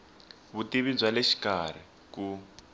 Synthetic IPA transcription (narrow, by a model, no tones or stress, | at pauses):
βutiβid͡zwaleʃi̥kar̤i | ku